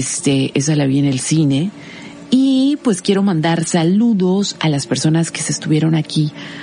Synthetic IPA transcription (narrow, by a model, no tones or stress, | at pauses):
st̪eʔes̬alaβiene̞lsine̞ | ipwe̞skje̞ɾo̞mãnd̪aɾsaluðo̞sa̰laspe̞ɾso̞naske̞se̞ːst̪uβjeɾo̞naki